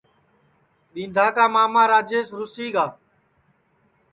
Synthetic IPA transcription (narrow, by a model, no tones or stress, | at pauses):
ɗĩːnd̪ʱaːkaːmaːmaːɾaːd͡ʒeːsɾʊsiːɡaː